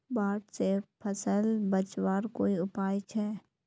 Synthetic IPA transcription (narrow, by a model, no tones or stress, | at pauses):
baːʈsepʰəsəlbət͡ʃwaːɾkoːiʊpaːjt͡ʃʰɛː